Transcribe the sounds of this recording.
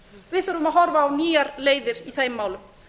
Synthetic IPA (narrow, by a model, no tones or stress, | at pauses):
vɪðθœɾʏmaðɦɔɾvaːwniːaɾleːjðɪɾ̥iθejmːaːwlʏm